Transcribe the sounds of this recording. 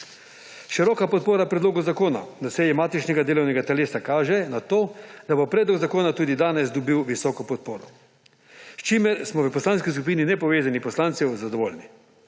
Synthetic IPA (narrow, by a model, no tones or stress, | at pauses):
ʃiɾɔːkapɔt̪̚poːɾapɾɛd̪loːɡɔzakoːna̰nasɛjɛmaːt̪it͡ʃnɛɡad̪eːlɔwnɛɡat̪ɛleːsakaːʒɛnat̪oːd̪abopɾɛːd̪lɔɡzakoːnat̪uːd̪id̪aːnɛzd̪ɔbiwʋisɔːkɔpɔt̪̚poːɾɔ | st͡ʃimɛɾsmɔʋəpɔslaːnskiskup̬iːninɛpɔʋeːzanipɔslaːnt̪sɛwzad̪ɔʋoːlʲni